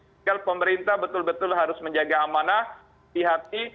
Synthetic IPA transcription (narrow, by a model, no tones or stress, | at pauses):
alpəməɾint̪abət̪ʊlbət̪ʊlɦaɾʊsməɲd͡ʒaɡaːmana | iɦat̪i